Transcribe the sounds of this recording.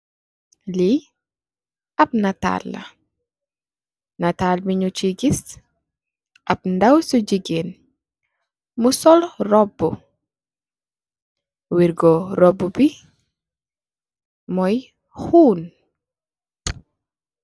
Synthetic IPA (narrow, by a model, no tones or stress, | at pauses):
li | ʔɐp̚nɐta̰lːɐ̰ | nɐtaːlmiɲut͡ʃiɡis | ʔɐp̚ndɐwsuɟiɡen | musɔlrɔbːu | wiɾɡɔɾɔbːubi | mɔj | huːn